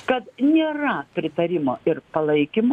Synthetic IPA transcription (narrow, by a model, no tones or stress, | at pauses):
kɐt̪nʲeːrɐpʲɾʲɪt̪ɐɾʲɪmoːɪrpɐlˠɐɪkʲɪmo